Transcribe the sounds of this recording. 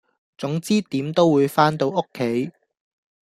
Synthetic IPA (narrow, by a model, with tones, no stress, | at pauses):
t͡sʊ˨˥ŋt͡siː˥t̪iː˨˥mt̪o˥wwuː˨˧jfaː˥nt̪o˧wʔʊ˥kʰːe˨˥j